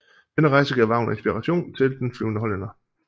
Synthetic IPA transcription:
d̥enəʁɑ̈ɪsəɡ̥ɛ̰ɐʋɑ̈ʊn̩ensb̥iʁɑɕo̝̰ːnt͡sʰe̝ld̥enfliʊnəɦɒlenɐ

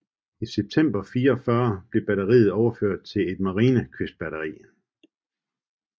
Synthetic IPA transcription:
iseb̥̚t͡sʰem̰b̥ɐfiːɐɒfɶːɐb̥le̝b̥æɾɐʁḭːð̩ˠɒʊɐføɐ̰d̥̚t͡sʰe̝le̝d̥mɑ̈ʁiːnəkʰøsd̥̚b̥æɾɐʁḭː

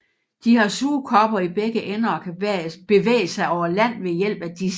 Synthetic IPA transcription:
d̥iɦɑ̈suːkʰɒ̽b̥ɐib̥eɡ̥əʔenɐːkʰæb̥e̝ʋḛːɪəsɑ̈ɪɒʊɐlæn̰ʋe̝jel̰b̥æd̥i

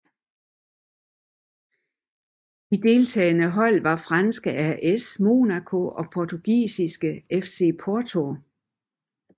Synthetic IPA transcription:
d̥id̥e̝lt͡sʰɛ̰ːnəɦɒ̽l̰ʋɑ̈fʁɑ̈nsɡ̥əʔæɐʔesmo̝̰ːnækʰo̝ɒ̽pʰɒt͡sʰuɡ̥ḭːsisɡ̥əefse̝̰ːpʰɒːt͡sʰo̝

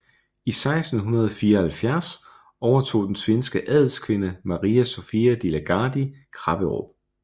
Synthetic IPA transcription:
isɑ̈ɪsd̥n̩ɦunɐð̞ˠɒfiːɐhælfjæɐs | ɒʊɐt͡sʰo̝̰ːd̥ensʋe̝nsɡ̥əʔɛðˠl̩ˠskʰʋe̝nəmɑ̈ʁiːæsofiæd̥ilæɡ̥ɑ̈ːd̥ikʰʁɑ̈b̥əʁo̰b̥̚

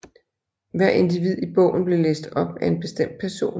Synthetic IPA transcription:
ʋæɐ̰e̝nd̥iʋið̞̰ˠib̥ɔ̽ʊn̩b̥le̝lḛːsd̥ɒ̽b̥æe̝nb̥e̝sd̥em̰d̥̚pʰæɐso̝̰ːn

